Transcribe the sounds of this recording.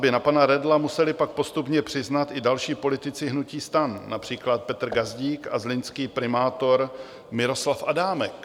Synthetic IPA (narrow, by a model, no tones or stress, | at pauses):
bɪnapanaɾɛdlamusɛlɪpak̚po̞st̪upɲɛpr̝̥ɪznat̪ɪdalʃiːpo̞lɪt̪ɪt͡sɪɦnuciːst̪anːapr̝̥iːklat̪̚pɛt̪r̩ɡazɟiːkʔazlɪnskiːpɾɪmaːt̪o̞ɾ | mɪɾo̞slafʔadaːmɛk